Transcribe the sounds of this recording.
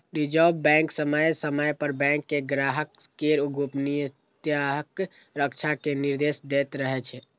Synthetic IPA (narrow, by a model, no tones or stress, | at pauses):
ɾid͡ʒəbbɛ̃ŋksəməjsəməjpəɾbɛ̃ŋkːeɡɾaɦəkːeɾuɡʱupnijə | t̪jaɦək | ɾək̚t͡ʃʰakeniɾd̪esd̪et̪ɾəɦɛt͡ʃʰɛ